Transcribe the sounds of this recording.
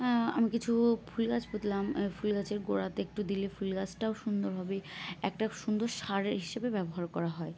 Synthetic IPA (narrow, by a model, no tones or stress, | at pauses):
a̰mikit͡ɕʰufʰulɡat͡ɕbot̪lamfulɡat͡ɕeɾɡoɾat̪eek̚ʈud̪ilefulɡat͡ɕʰʈaoʃund̪oɾbʱabeɛ̰k̚ʈaʃund̪oɾʃaɾeɾɦiʃebebɛboɦaɾkɔɾaɦɔe